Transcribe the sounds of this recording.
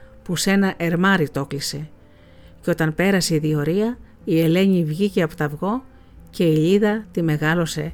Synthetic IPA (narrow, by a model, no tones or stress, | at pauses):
puse̞nɐʔe̞ɾmɐɾit̪o̞klise̞ | ceo̞t̪ɐnpe̞ɾɐseiðio̞ɾiɐ | ie̞le̞ɲivʝiceɐpot̪ɐvɣo̞ | ce̞iʎiðɐt̪ime̞ɣɐlo̞se̞